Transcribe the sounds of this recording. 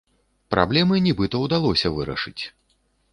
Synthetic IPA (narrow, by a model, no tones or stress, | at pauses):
pɾʔa̰blʲɛmɨnʲibɨt̪ɐwd̪alˠɔsʲɐvɨɾɐ̰ʂɨt͡sʲ